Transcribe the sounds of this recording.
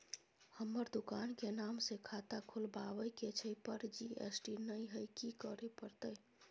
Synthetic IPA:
həmːəɾd̪ukankenamsekʰat̪akʰolbaʋəjket͡ʃʰəjpəɾd͡ʒiḛsʈinəjɦəjkikəɾepəɾt̪əj

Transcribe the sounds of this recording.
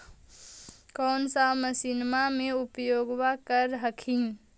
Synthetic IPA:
kɔːnsaməsinmamẽʊpjoːɡwakəɾɦəkʰĩ

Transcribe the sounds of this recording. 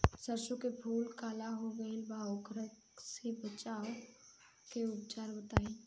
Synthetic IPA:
səɾʃukebʱuːlkaːlaɦoʋelbaoɡʱɾək | sebət͡ʃaːo | keʊpt͡ʃaːɾbət̪aːĩ

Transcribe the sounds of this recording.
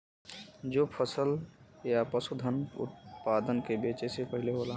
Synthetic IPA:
d͡ʒoːpʰəsəljapəsud̪ʱənʊ̰t̪̚paːd̪ənkebeːt͡ʃesepəɦɪleɦoːla

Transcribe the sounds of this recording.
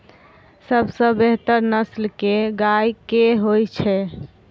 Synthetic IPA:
səbsə̃beɦt̪əɾnəslkeɡajkeɦojt͡ʃʰɛ

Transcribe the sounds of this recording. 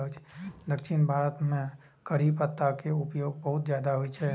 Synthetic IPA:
ɦt͡ʃʰd̪əkʃʰinbʱaːɾət̪mẽ | kəɽ̤ipət̪ːakeupjoːɡ̚bəɦʊt̪d͡ʒjad̪aɦoit͡ʃʰɛ

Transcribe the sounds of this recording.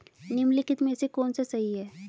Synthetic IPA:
nɪmlɪkɪt̪mẽsekɔːnsesɐɦiɦɛː

